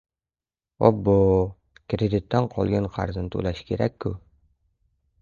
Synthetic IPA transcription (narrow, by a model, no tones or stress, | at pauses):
ɒ̰bːo | kɾʲed̪ʲit̪ːæɴqʰɒ̰lˠjɤɴqʰɑ̰ɾzɤnt̪ʉ̰læʃkiɾækːʉ